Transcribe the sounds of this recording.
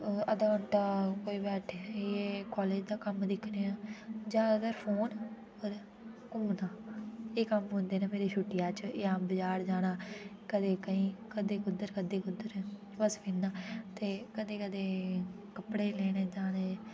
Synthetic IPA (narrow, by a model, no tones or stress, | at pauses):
əd̪aːəɳʈaːkoːiːbɛːʈʰːeːkɔːleːd͡ʒd̪aːkəmd̪ɪkʰneːãːd͡ʒãːɡ̪əɾpʰoːn | oːɾ | kʊmnaːeːkəmɦʊ̃ːnd̪eːnaːmeːɾeːʃʰuʈːɪjaːt͡ʃjãːbəd͡ʒaːɾd͡ʒaːɽ̃aː | kəd̪eːkəĩːkəd̪eːkʊd̪ːəɾkəd̪eːkʊd̪ːəɾ | ʋəspiːnaːt̪eːkəd̪eːkəd̪eː | kəpɽeːlɛːɽ̃eːd͡ʒaːɽeː